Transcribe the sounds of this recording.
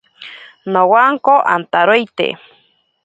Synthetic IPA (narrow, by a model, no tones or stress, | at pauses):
nowaŋkoʔa̰nt̪aɾojt̪ḛ